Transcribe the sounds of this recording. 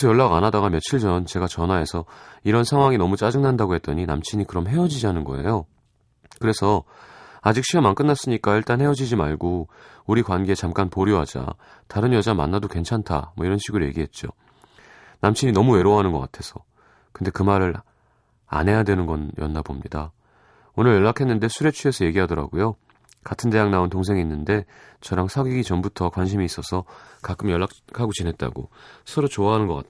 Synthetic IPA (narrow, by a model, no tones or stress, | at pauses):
sʰʌjʌɭːaɡanadaɡamjʌt͡ɕʰiɭd͡ʑʌnt͡ɕe̞ɡat͡ɕʌnɦae̞sʰʌiɾʌnsʰaŋɦwaŋinʌmut͡ɕ͈ad͡ʑɯŋnandaɡoɦe̞t̚t͈ʌɲina̰mt͡ɕʰiɲikɯɾʌmɦe̞ʌd͡ʑid͡ʑiɦanɯnɡʌ̰e̞̰jo | kɯɾe̞sʰʌ | ad͡ʑik̚ɕ͈ʰiamank͈ɯnːas͈ɯɲik͈aiɭt͈anhe̞ʌd͡ʑid͡ʑimaɭɡo | uɾikwanɡeːt͡ɕamk͈anpoɾjoɦad͡ʑa̰ | taɾɯnjʌd͡ʑama̰nːadokwe̞nt͡ɕʰantʰa̰mwʌiɾʌnɕʰiɡɯɾoje̞̰ɡiɦe̞t̚t͡ɕ͈o̰ | namt͡ɕʰiɲinʌmue̞ɾoɦanɯnɡʌk͈atʰe̞sʰʌ | kɯnde̞kɯmaɾɯɾ | a̰nɦe̞jadwe̞nɯnɡʌnjʌnːabomɲida | onɯɭjʌɭːakʰe̞nːɯnde̞sʰuɾe̞t͡ɕʰue̞sʰʌje̞ɡiɦadʌɾa̰ɡojo | katʰɯnde̞jaŋnaountoŋs̬ʰe̞ŋinːɯnde̞t͡ɕʌɾaŋsʰaɡiɡit͡ɕʌmbutʰʌkwanɕ̬ʰimiːs͈ʌsʰʌkak͈ɯmjʌɭːakkʰaɡot͡ɕinɦe̞t̚t͈a̰ɡo̰sʰʌɾot͡ɕoaɦanɯnɡʌk͈a̰